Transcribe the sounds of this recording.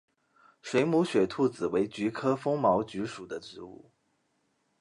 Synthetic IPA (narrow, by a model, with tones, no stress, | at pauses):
ʂwe˧˥ɪmu˧˥ɕɥɛ˨˩t̪ʰu˥˩t͡sɹ̩˨˩we˧˥ɪt͡ɕy˧˥kʰɤ˥fɤ˥ŋmɑ˧˥ʊt͡ɕy˧˥ʂu˨˩d̪ə˦ʈ͡ʂɻ̩˧˥ṵ˥˩